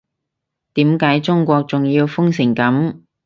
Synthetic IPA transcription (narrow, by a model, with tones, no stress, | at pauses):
t̪iː˨˥mkaː˨˥jt͡sʊ˥ŋkʷɔː˧k̚t͡sʊ˨ŋjiː˧wfʊ˥ŋsɪ˨˩ŋkɐ˨˥m